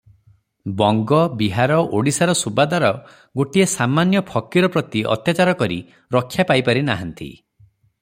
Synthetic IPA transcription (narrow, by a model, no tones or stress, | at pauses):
bɔŋɡɔbiɦaɾɔʔoɽisaɾɔsubad̪aɾɔ | ɡoʈiesamanjɔpʰɔkiɾɔpɾɔt̪iʔɔ̰t̪jat͡ʃaɾɔkɔɾḭ | ɾɔkʰːjapajpaɾinaɦant̪ḭ